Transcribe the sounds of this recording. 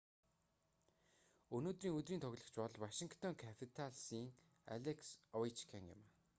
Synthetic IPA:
ɵnoːt̪riːŋɵt̪riːnt̪ʰɔɣʲɮə̆xt͡ɕpɔɮwaʃĭŋkʰt̪ʰɔŋkʰapʰit̪ʰaɮsiːŋ | a̰ɮeksɔit͡ɕkʰaŋɪ̰ma

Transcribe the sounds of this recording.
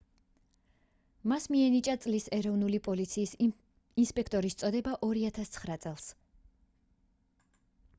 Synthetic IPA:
masmiɛnit͡ʃʼat̪sʼlisɛɾɔvnulipʼɔlit̪sʰiːs | inspʼɛkʰt̪ʼɔɾist̪sʼɔd̪ɛbaʔɔɾiat̪ʰast̪sʰχɾat̪sʼɛlˠs

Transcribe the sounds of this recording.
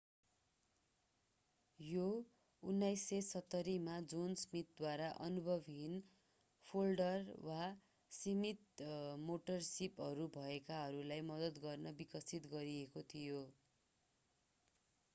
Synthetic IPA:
jo | unːajsːesʌt̪ːʌɾimad͡zonsmit̪̚d̪waɾaʔʌ̰nubʱʌbʱin | pʰolɖʌrwa | simit̪̚moʈʌrsipɦʌɾubʱʌekaɦʌɾulajmʌd̪ʌt̪ɡʌrnʌbikʌsit̪ɡʌɾiekot̪ʰijo

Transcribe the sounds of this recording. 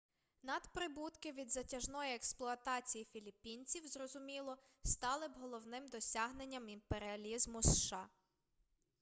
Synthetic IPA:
nɐd̪pɾɪbut̪kɪʋʲid̪zɐtʲɐʒnɔjiɛksplˠʊɐt̪ɑt͡sʲijifʲilʲipʲinʲt͡sʲiwzrɔzʊmʲilˠɔ | st̪ɑlˠɪbɦɔlˠɔwnɪmd̪ɔsʲaɦne̞nʲːɐmimpeɾɪɐlʲizmʊsʃɑ

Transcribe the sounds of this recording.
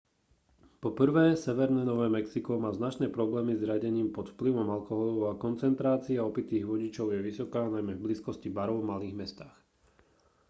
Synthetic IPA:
pɔpr̩ʋɛːsɛʋɛɾnɛːnɔʋɛːmɛksikɔmaːznat͡ʃnɛːpɾɔblɛːmizɾɪaɟɛɲiːmpɔt̪fpliʋɔmalkɔɦɔlɔʊakɔnt͡sɛnt̪ɾaːt͡siaɔpit̪iːɣʋɔɟit͡ʃɔʊjɛʋisɔkaːnajmɛvbliskɔscibaɾɔʊvmaliːɣmɛst̪aːx

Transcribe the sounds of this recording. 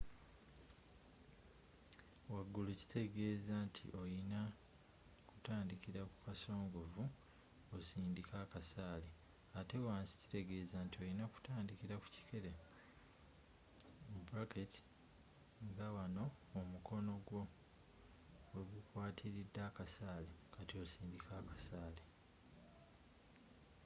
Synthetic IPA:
waɡːuluci̥te̞ɡe̞ːzantʰḭʔo̞jina | ku̥taːndikiɾakukaso̞ːŋɡo̞vu | osiːndikakasaːli | ate̞waːnsi̥ci̥te̞ɡe̞ːzaːntio̞jinaku̥taːndikiɾaku̥ci̥kʰe̞ɾe | mubuɾaketi̥ | ŋɡawano̞ːmuko̞no̞ɡwo̞ | weɡukwaːtʰiɾidːakasaːlekatio̞siːndikʰakḁsaːle

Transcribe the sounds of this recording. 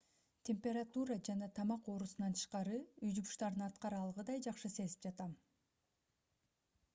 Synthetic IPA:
t̪ʲʰe̞mpʲe̞ɾat̪uɾɑd͡ʒɑnɑt̪ʰɑmɑqo̞ɾusunɑnt̪ʰɯ̥ʃqɑɾɯyjd̪ubuʃt̪ɑɾɯnɑt̪qɑɾɑlˠʁɯd̪ɑjd͡ʒɑqʃɯse̞zip̚d͡ʒɑt̪ɑm

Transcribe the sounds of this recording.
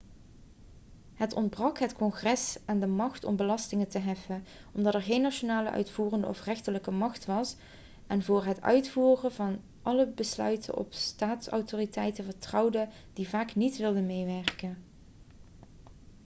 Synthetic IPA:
ɦətɔndbrɑkɦətkɔnχrɛsaːndəmɑxtɔ̰mbəlɑstɪŋətəɦɛfən | ɔmdɑtɛɹχejnːaʃonaːlə̰ʔœ̰ɥtfuːrəndə̰ʔɔfrɛxtələkəmɑχtʋɑs | ʔɛnvʊːɹɦətœ̰ɥtfuːrəvɑn | ʔɑləbəslœ̰ɥtʰə̰nʔɔ̰pstaːtsɑ̰wtoːritɛjtəvəɹtrɑwdə | d̥ivaːknitʋɪlˠdəmejʋɛɹkən

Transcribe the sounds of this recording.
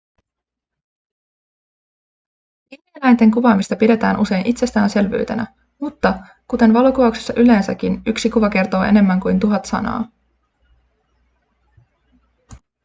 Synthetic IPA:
ihmielæjnt̪e̞ŋkuʋɑːmist̪ɑpide̞t̪æ̰ːnʔuse̞jnʔit̪se̞st̪æːnse̞lʋy̰ːt̪e̞̰næ̰ | mut̪ːɑ | kut̪e̞nʋɑlokuʋɑuksesːɑʔyle̞ːnsæk̟ːinyksikuʋɑk̟e̞rt̪o̞ːe̞̰ne̞mːæŋkujnt̪uɦɑt̪sɑ̰nɑ̰ː

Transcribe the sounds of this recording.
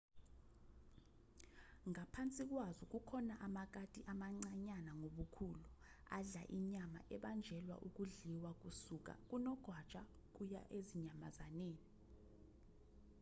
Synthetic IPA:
ŋapʰant͡sʼik̬wazuk̬ʼukʰɔnaʔamak̬atʼiʔamaŋ͡ǀaɲanaŋoɓukʰulu | a̰ɮa̰ʔiɲama̰ʔɛɓand͡ʒʱɛlwa̰ʔuk̬ʼuɮiwak̬ʼusuk̬a̰k̬unɔɡ̥ʱwat͡ʃʼa | k̬ʼuja̰ʔeziɲama̰zaneːni

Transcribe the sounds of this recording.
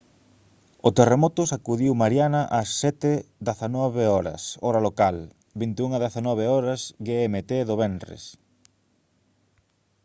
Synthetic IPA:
ot̪eremɔt̪ʊsakuðiwmaɾjanɐʔɐsːɛt̪ɪd̪aθanɔβeɔɾɐ̰sɔɾɐalokal | bint̪euŋaðaθanɔβ̞eɔɾɐsɡeɛmet̪eðoβɛnrḛs

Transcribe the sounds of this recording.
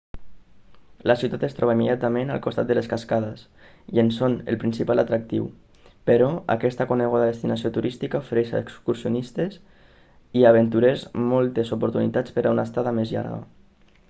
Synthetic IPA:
lasiut̪at̪est̪ɾʔɔβaimːeðjat̪amena̰lˠkust̪a̰t̪d̪d̪əleskaskaðas | iensonḛlpɾinsipalat̪ɾak̚t̪ḭw | peɾɔa̰kɛst̪akuneɣ̞uðaðest̪inasiot̪uɾist̪ikaufeɾɛʃa̰ekskuɾsionist̪es | iaβ̞ent̪uɾezmɔlˠt̪ezupuɾt̪unit̪at͡spəɾaunast̪aðamezʎa̰ɾɣa̰

